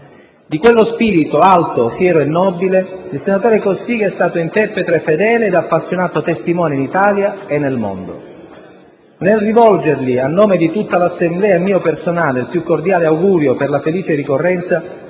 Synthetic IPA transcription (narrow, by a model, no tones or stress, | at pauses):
d̪ikwelːospiːɾit̪oalt̪ofjɛːɾoenːɔːbileilsenat̪oːɾekosiɡɛst̪aːt̪oint̪ɛpːet̪ɾefed̪ɛːleːd̪apːasːjonaːt̪ot̪est̪imɔːneinit̪aːljaenːelmo̰nd̪o̰ | nelrivɔld͡ʒerlianːoːmed̪it̪ut̪ːalasːemblɛːaemːiːopersonaːleilpjukːord̪jaːleawɡuːɾjoperlafeliːt͡ʃerikorːɛnt̪sa